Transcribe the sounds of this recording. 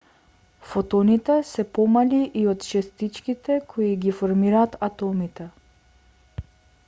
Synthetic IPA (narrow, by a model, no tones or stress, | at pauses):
fot̪ɔnit̪ɛsɛpɔmaliʔiot̪t͡ʃɛst̪it͡ʃkit̪ɛkʰoiɡifoɾmiɾaːt̪at̪ɔmit̪ɛ